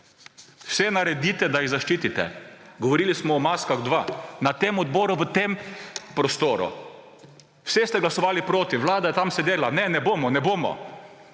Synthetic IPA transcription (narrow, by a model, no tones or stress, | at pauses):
wsɛnaɾɛd̪iːt̪ɛd̪ajiɣzaʃt͡ʃiːt̪it̪ɛ̰ɡɔʋɔɾiːlismɔːmaskaɣd̪ʋaːnat̪eːmɔd̪bɔːɾʊʋət̪eːmpɾɔst̪oːɾṵ | wsest̪ɛɡlasɔʋaːlipɾoːt̪iʋlaːd̪ajɛt̪amsɛd̪eːlanɛnɛboːmɔnɛboːmɔ̰